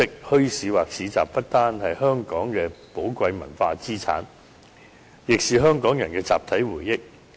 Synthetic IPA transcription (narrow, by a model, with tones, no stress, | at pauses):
ɪ˥k̚hɵ˥ɥsiː˨waː˨˩k̚sʰiː˨˧t͡sa̰ː˨p̚pɐ˥t̚t̪aː˥nhɐ˨jhœː˥ŋkɔː˨˥ŋkɛː˧po˨˥wkʷɐ˧jmɐ˨˩nfaː˧t͡siː˥t͡sʰa̰ː˨˥n | jɪ˨k̚siː˨ɦœː˥ŋkɔː˨˥ŋjɐ˨˩nkɛː˧t͡sa̰ː˨p̚t̪ʰɐ˨˥jwuː˨˩jːɪ˥k̚